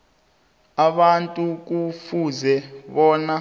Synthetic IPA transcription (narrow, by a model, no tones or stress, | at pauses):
aɓantʼuk̬ufuzɛɓɔːna